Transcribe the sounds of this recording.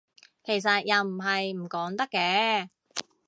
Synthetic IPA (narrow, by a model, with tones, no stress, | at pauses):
kʰe˨˩js̬ɐ˨t̚jɐ˨wm̩˨˩ɦɐ˨jm̩˨˩kɔː˨˥ŋt̪ɐ˥kːɛː˧˥